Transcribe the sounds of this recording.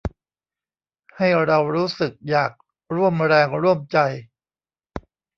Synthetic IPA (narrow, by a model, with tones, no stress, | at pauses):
ha˥˩jɾa˧wɾuː˦˥sɯ˨˩k̚jaː˨˩k̚ | ɾu˥˩əmɾɛː˧ŋɾu˥˩əmt͡ɕa˧j